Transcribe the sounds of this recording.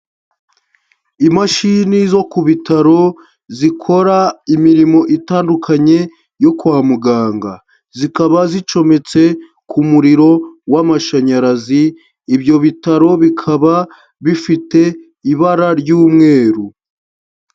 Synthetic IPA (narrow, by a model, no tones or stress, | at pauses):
imaʃinizo̞kuβitaɾo̞ | zikʰo̞ɾaimiɾimo̞ʔitaːndukʰaɲe̞ | jo̞kuwaːmuɡaːŋɡa̰ | zikaβazit͡ʃo̞me̞t͡se̞ | kʰumuɾiɾo̞wamaʃaɲaɾaziː | bjo̞βitaɾo̞βikʰaβa | βifite̞ | iβaɾaɾɟuːmŋe̞ːɾu